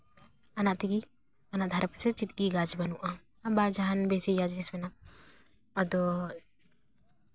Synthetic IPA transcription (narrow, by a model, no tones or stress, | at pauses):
anaʔt̪iɡi | anaʔd̪ʱaɾpɛsɛt͡ʃit̪ɡiɡad͡ʒbanuʔa | abad͡ʒaɦanbɛsijad͡ʒisbɛna | ɔd̪ɔ